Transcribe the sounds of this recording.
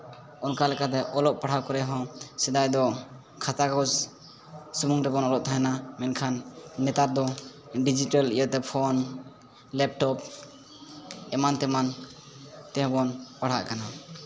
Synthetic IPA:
ɔnkalɛkat̪ɛʔɔlɔʔ̚paɽ̤awkɔɾɛɦɔ̃sɛd̪ajd̪ɔ | kʰat̪akɔd͡ʒ | sumuŋɾɛbɔnɔlɔʔ̚t̪ʰaɛnamɛnkʰanːɛt̪aɾd̪ɔ | ɖid͡ʒiʈalḭjəʔt̪ɛpʰɔn | lɛp̚ʈɔp̚ | ɛmant̪ɛman | t̪ɛ̃ɦbɔnpaɽ̤a̰ʔkana

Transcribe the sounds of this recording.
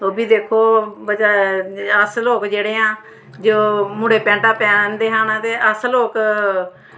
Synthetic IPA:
oːbiːd̪eːkʰoːbəd͡ʒaːəsloːkd͡ʒeːɽeːãː | d͡ʒoːmʊ̃ɽeːpɛ̃ːɳʈaːpɛːnnd̪eːɦãːnaːt̪eːʔəsloːk

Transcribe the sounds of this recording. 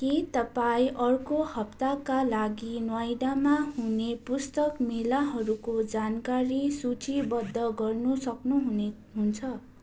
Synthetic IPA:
kit̪ʌpaĩʔʌrkohʌp̚t̪akalaɡinwajɖamaɦunepust̪ʌkmilaɦʌɾukod͡zankaɾisut͡sibʌd̪ʱːʌɡʌrnusʌknuɦune | ɦunt͡sʰʌ

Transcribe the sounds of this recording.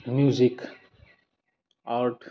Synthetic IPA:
mjuzik | aɾʈ

